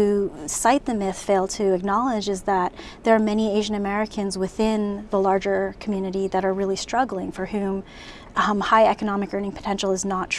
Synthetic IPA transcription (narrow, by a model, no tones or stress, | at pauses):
ʉsaɪt̪̚ðɨmɪθfeɪlˠdtʰɨːk̚nɑlˠɪd͡ʒɨzðət̪̚ðə˞ːmɛnieɪʒɨ̃nɨmɛɹɨkʰɨ̃nzwɨθɪ̃nðəlɑɹd͡ʒə˞kʰm̩jʉnɨɾiðɨɾə˞ɹɪlˠistɹ̥ʌɡl̩ˠɪ̃ŋfə˞hʉ̃m | haɪɛkɨnɑmɨkɜ̃˞nɪ̃ŋpʰə̥tʰɛ̃nʃl̩ˠəznətʰ